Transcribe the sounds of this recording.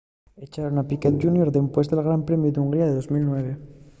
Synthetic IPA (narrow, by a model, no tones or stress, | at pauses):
et͡ʃaɾonapiket̪̚ʝunjoɾðempwe̞zt̪elɣ̞ɾampɾe̞mjuðeuŋɡɾiaðeðo̞zmilnwe̞β̞e̞